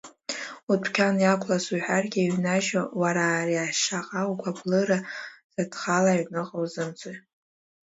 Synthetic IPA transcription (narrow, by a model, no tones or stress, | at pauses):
utʰkʲʰanjakʷʰʼlasuħʷᶣarɡʲiiɥnaʒawaɾaːriaʃaqʼawɡʷablɨɾaz̥adχalaɥnɨqʼowzɨmt͡sʷʼo